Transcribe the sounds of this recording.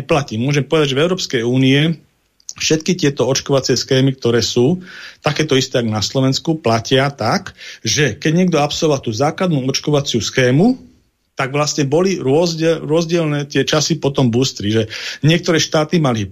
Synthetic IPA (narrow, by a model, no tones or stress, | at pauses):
placiːmʊɔʒɛmpɔʋɛd̪aɟʒɛvɛʊɾɔːpskɛjuːniɛ | fʃɛt̪kit̪ɪɛt̪ɔɔt͡ʃkɔʋat͡sɪɛsxɛːmik̚t̪ɔɾɛːsuːt̪akɛːt̪ɔist̪ɛːaɡnaslɔʋɛnskuplacɪat̪akʒɛkɛɟɲɪɛɡ̚d̪ɔapsɔlɔʋat̪uːzaːklad̪nuɔt͡ʃkɔʋat͡sɪusxɛːmu | t̪aɡʋlasɲɛbɔliɾʊɔzɟɛɾʊɔzɟɪɛlnɛːt̪ɪɛt͡ʃasipɔt̪ɔmbuːst̪ɾiʒɛɲɪɛk̚t̪ɔɾɛːʃt̪aːt̪imali